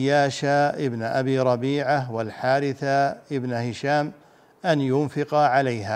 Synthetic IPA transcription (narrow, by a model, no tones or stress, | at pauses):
jːaːʃaʔɪbnʔabiːɾˤɑbiːʕawalħaːɾɪθaʔɪbnhɪʃaːm | ʔanjʊnfɪqʕalajɦaː